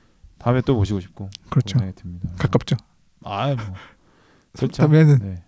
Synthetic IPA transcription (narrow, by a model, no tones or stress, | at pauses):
taɯmet͈oboɕʰiɡoɕʰi̥p̚k͈okɯɾʌt͡ɕʰoɡetʰemɲidakak͈ap̚t͡ɕ͈o | a | sʰamanɯnne